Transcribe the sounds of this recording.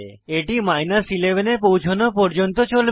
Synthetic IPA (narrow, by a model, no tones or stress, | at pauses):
eʈimajnasilebʱenepowt͡ɕʰonopɔɾd͡ʑont̪ot͡ɕol